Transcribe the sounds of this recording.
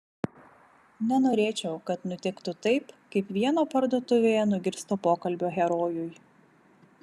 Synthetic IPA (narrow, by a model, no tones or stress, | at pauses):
nʲɛnoːɾʲeːt͡ʃʲɛʊkɐt̪nʊt̪ʲɪkt̪ʊt̪ɐɪpkɐɪpʋʲiɛnoːpɐɾd̪uɔt̪ʊʋʲeːjɛnʊɡʲɪɾst̪opoːkɐlʲbʲoːɣʲɛɾoːjʊj